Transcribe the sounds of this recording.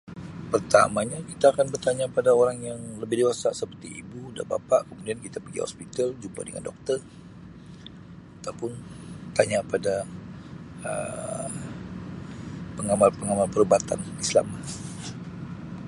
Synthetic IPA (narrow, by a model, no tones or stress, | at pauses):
pərt̪amaɲakit̪aːkanbərt̪aɲapadaoɾaŋjaŋləbɪhdewasaʔsəpərt̪ḭḭbuda̰ba̰paʔkəmudiankit̪apəɡḭhɔ̰spit̪ald͡ʒuba̰dəŋa̰ndɔ̰k̚t̪ər | at̪awpʊnt̪aɲapada | ə̰ | pəŋamalpəŋamalpərəbat̪a̰nisla̰ma